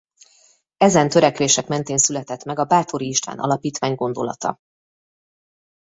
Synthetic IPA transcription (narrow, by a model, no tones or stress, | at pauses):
ɛzɛnt̪ø̞ɾɛkʋeːʃɛkmɛn̪t̪eːnsylɛt̪ɛt̪mɛɡɒbaːt̪o̞ɾiːʃt̪va̰ːnɒ̰lɒpiːt̪ʋaːɲɡo̞nd̪o̞̰lɒ̰t̪ɒ̰